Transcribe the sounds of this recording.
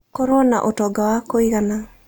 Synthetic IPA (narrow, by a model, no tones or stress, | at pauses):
kɔɾona̰ʔotɔɡawakoiɣana